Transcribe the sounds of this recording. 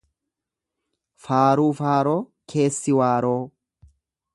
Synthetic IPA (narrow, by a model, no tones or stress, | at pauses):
faːɾuːfaːɾoːkʰe̞ːsːɪwaːɾoː